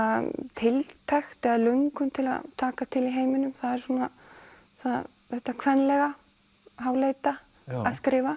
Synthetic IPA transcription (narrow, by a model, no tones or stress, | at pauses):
aðt̪ʰɪlt̪ʰajxt̪ɛðalœŋkʏmt̪ʰɪla̰ðt̪ʰaːkat̪ʰɪliɦeːjmɪnʏmθaðɛɾsuːna | θað | θɛht̪akʰvɛnːlɛɣa | ɦaːwlejt̪a | askɾɪːva